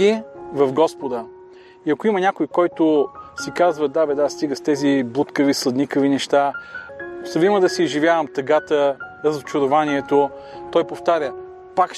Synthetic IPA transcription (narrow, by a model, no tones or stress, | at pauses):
ivɐvɡɔspod̪ə | iɐkʊimɐnʲakʊjkɔjt̪ʊsikazvəd̪abɛd̪ast̪iɡəst̪ɛziblˠut̪kəvislˠɐd̪nikəvinɛʃt̪a | sɐviməd̪ɐsiːʒivʲjavəmt̪ɐɡat̪əɾəzot͡ʃʊɾovaniɛt̪o | t̪ɔjpoft̪aɾʲə | pakʃ